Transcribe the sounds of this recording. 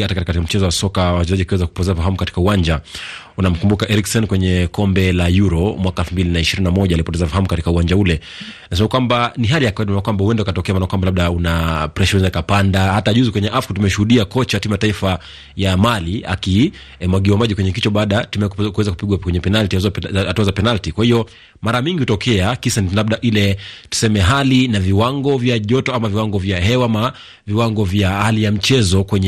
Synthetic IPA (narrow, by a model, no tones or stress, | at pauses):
atakakaikm̩t͡ʃɛzɔwasɔkawat͡ʃɛzaʄiakiwɛzakupɔtɛzafaɦamukati̥kauwaɲd͡ʒa | unam̩kumbukaʔɛɾiksɔnkwɛɲɛkɔmbɛlajuɾɔmwakaɛlfumbilinaiʃiɾininamɔʄalipɔtɛzafahamukati̥kauwaɲd͡ʒaulɛ | nas̬ɛmakwambaniɦalijakaninaakwambahuɛndɛukatɔkɛamanakwambalaɓ̚ɗaunapɾɛʃɛɛnzaikapandahataʄuzikwɛɲɛʔafkutumɛʃuhuɗiakɔt͡ʃaatimujataifa | jamalia̰ki | mwaɡiwamaʄikwɛɲɛkit͡ʃɔɓaɗatumɛkuwɛzaku̥piɡwakwɛɲɛpɛnaltiaatuazapɛnaltikwahiɔ | maɾamiŋɡihutɔkʰɛakisanilaɓ̚ɗaʔilɛtu̥sɛmɛɦalinaviwaŋɡɔvjaʄɔtɔamaviwaŋɡɔvjaɦɛwama | viwaŋɡɔvjahalijam̩t͡ʃɛzɔkwɛɲɛ